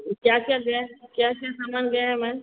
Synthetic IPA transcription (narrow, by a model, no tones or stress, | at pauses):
kjaːkjaɡɛkjakjasamanɡɛɦɛmɛ̃n